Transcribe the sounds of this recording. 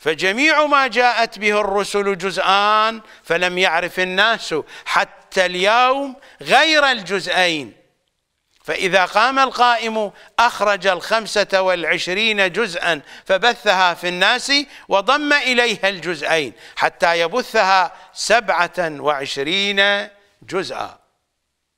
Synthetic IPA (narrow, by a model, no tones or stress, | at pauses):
fad͡ʒamiːʕmaːd͡ʒaːʔat̪bɪhɪrˤːʊsʊld͡ʒʊzʔaːnfalamjaʕɾɪfɪnːaːsħat̪ːaljawm | ɣajɾald͡ʒʊzʔajn | faʔɪðaqɑːmalqɑːʔɪm | ʔaxɾˤɑd͡ʒalxamsawɪlʕɪʃɾiːnad͡ʒʊzʔanfabaθːaɦafinːaːsiwɪðˤɑmːaʔɪlajhald͡ʒʊzʔajnħat̪ːajabʊθːahasabʕawɪʕɪʃɾiːna | d͡ʒʊzʔa̰